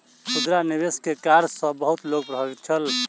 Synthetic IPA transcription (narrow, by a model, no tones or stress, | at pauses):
sud̪ɾanibeskekaɾsə̃bəɦut̪loɡ̚pɾəɦəbit̪̚t͡ʃʰəl